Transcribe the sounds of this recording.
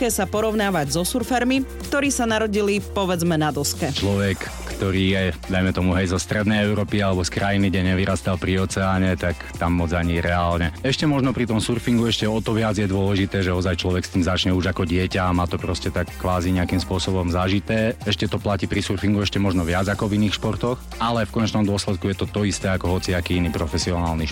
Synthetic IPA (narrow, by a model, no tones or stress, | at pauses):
ɛsapɔɾɔʊnaːʋaɟzɔsuɾfɛɾmikt̪ɔɾiːsanaɾɔɟilipɔʋɛd͡zmɛnad̪ɔskɛt͡ʃlɔʋɛkːt̪ɔɾiːjɛd̪ajmɛt̪ɔmuɦɛjzɔst̪ɾɛd̪nɛjɛʊɾɔːpialɛbɔskɾajiniɡɟɛɲɛʋiɾast̪alpɾiɔt͡sɛaːɲɛt̪akt̪amːɔd͡zaɲiɾɛaːlɲɛɛʃcɛmɔʒnɔpɾit̪ɔmsuɾfiŋɡuɛʃcɛɔt̪ɔʋɪad͡zjɛd̪ʊɔlɛʒit̪ɛːʒɛɔzajt͡ʃlɔʋɛkst̪iːmzat͡ʃɲɛuʒakɔɟɪɛcaamaːt̪ɔpɾɔscɛt̪akːʋaːziɲɛakimspʊɔsɔbɔmzaːʒit̪ɛːɛʃcɛt̪ɔplacipɾisuɾfiŋɡuɛʃcɛmɔʒnɔʋɪad͡zakɔviniːxʃpɔɾt̪ɔx | alɛfkɔɲɛt͡ʃnɔmd̪ʊɔslɛt̪̚kujɛt̪ɔt̪ɔist̪ɛːakɔɦɔt͡siakiːiniːpɾɔfɛsiɔnaːlniʃ